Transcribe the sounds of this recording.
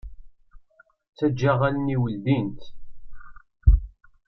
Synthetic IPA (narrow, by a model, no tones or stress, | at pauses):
t͡sːæd͡ʒːaʁænniwəld̪int̪